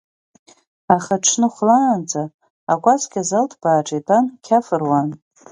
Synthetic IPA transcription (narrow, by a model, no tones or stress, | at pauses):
aχaʈ͡ʂʰnɨχʷlaːnd͡zʼaː | kʷʼaskʲazaltʰb̥aːʈ͡ʂʼetʰʼankʲʰafɨrwan